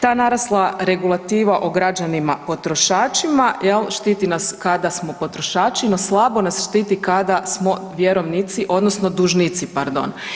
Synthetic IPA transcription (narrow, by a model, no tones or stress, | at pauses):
t̪aːnaɾaslˠaɾe̞ɡulˠat̪iːʋaʔoɡɾad͡ʒanimapo̞t̪ɾo̞ʃaːt͡ʃimajelˠʃt̪iːt̪inaskad̪asmo̞po̞t̪ɾo̞ʃaːt͡ʃino̞slˠabo̞nasʃt̪iːt̪ikad̪asmo̞ʋjeɾo̞ʋnit̪siʔo̞d̪nosno̞d̪uʒnit̪sipaɾd̪o̞̰n